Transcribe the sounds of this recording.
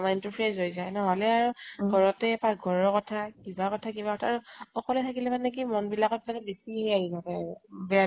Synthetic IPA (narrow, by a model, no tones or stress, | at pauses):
maintupʰezojzajnɔɦɔlɛaɹuɡʱɔɹɔtɛpaɡʱɔɹɔkɔtʰakibakɔtʰakibakɔtʰaːɹuɔkɔlɛtʰakilɛpanɛk̬imɔnbilakɔt̚lanɛbesiɦɛaɦizatɛbɛa